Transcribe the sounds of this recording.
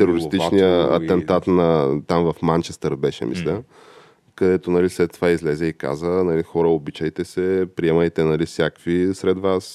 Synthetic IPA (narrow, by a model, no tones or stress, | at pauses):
t̪ɛɾoɾist̪it͡ʃnijə̰ːt̪ɛnt̪at̪nɐt̪amvɐfmant͡ʃɛst̪əɾbɛʃɛ̰mḭslʲɛ | kɐd̪ɛt̪onɐlislɛt̪ːovaizlɛzɛika̰zənɐlixɔɾəobit͡ʃəjt̪ɛsɛpɾiɛməjt̪ɛnɐlifsʲjakvisɾɛd̪vas